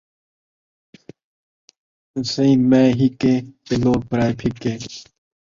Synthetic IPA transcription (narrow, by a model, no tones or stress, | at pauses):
səĩːnmẽːɦikeːteloːɡ̚pəɾaːepʰɪkːeː